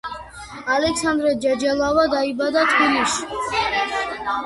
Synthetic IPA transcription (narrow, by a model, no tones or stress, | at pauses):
alɛksand̪ɾɛd͡ʒad͡ʒɛlˠavad̪aibad̪at̪ʰpʰiliʃi̥